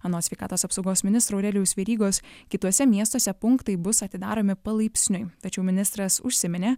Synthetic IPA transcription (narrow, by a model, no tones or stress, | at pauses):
ɐnoːsʲʋʲɛɪkɑ̰ːt̪oːsɐpsɒʊɡoːsmʲɪnʲɪst̪ɾoːɾʲɛlʲɪjʊsʋʲɛɾʲiːɡoːskʲɪt̪uɔsʲɛmʲiɛst̪oɔsʲɛpʊŋkt̪ɐɪbʊsɐt̪ʲɪd̪ɑ̰ːɾoːmʲɪpɐlˠɐɪpʲsʲnʲʊɪt̪ɐt͡ʃʲɛʊmʲɪnʲɪst̪ɾɐsʊ̰ʃʲsʲɪmʲɪnʲeː